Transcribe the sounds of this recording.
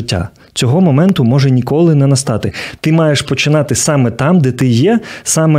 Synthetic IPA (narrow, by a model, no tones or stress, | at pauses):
tʲːa̰ | t͡sʲɔɦɔmɔmɛnt̪ʊmɔʒɛnʲikɔlˠɪnɛnɐst̪ɑt̪ɪt̪ɪmɑjeʃpɔt͡ʃɪnɑt̪ɪsɑmɛt̪ɑmd̪ɛt̪ɪjɛsɑmɛ